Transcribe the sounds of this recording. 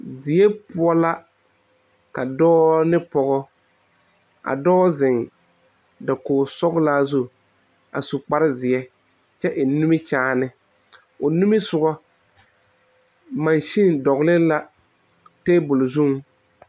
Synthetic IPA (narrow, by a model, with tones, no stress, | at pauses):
dɪ˨ɛ˦pʊ˦ɔ˦la˦ | ka˨dɔː˦nɪ˦pɔ˨ɣɔ˦ | a̰˨dɔː˦zɪ˨ŋ | da˨koː˨sɔ˦ɡla˦zu˦ | a̰˨su˨k͡pa˦ɾɪ˦zɪ˨ɛ˦ | t͡ʃɛ˦ʔɪ˨nu˦mɪ˦t͡ʃaː˦nɪ˦ | ʊ˨nu˦mɪ˦sʊ˨ɡɔ˦ | ma˨nʃi˦ndɔ˨ɣlɪ˦la˦ | te˦bʊ˨lʊ˨zu˦ŋ